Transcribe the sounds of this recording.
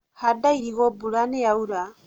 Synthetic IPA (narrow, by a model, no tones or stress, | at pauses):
hadaiɾiɣɔbuɾanɛauɾa